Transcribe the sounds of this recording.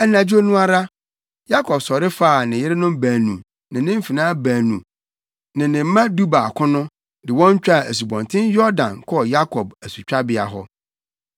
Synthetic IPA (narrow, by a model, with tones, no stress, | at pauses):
ɛ˦nã˨d͡ʑᶣu˦o˦nũ˦a˦ɾa˦ | ja˦kʰɔ˨bsɔ˨ɾɪ˦faː˦˨nɪ̃˨jɪ˦ɾɪ˦nʊ̃˦mbæː˨nṵ̃˨ | nɪ̃˨nɪ̃˦m̩˦fi˨nãː˦bæ̃ː˨nũ˨ | nɪ̃˨nɪ̃˨m̩˦mã˦du˦ba˨a˨kʰʊ̃˦nʊ̃˦ | dɪ˨wɔ̃˦ɲ˦t͡ɕᶣa˦˨æ˨s̬u˨bɔ̃˨ntʰɪ̃˦njɔ˦ɾdã̰˨nkʰɔ˦˨ja˦kʰɔ˨bæ˨su˨t͡ɕᶣa˦bɪ˦a̰˨ɦɔ̰˦